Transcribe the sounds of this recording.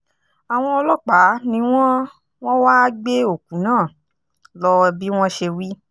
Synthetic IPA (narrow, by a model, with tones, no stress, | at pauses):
a˨w̃ɔ̃˧ɔ˧lɔ˦˨k͡pa˨˦nĩ˧w̃ɔ̃˦ | w̃ɔ̃˦waː˦ɡ͡be˦o˦˨kũ˨˦nãː˦˨ | lɔ˧ɛ˧bi˦w̃ɔ̃˦ʃe˧wi˦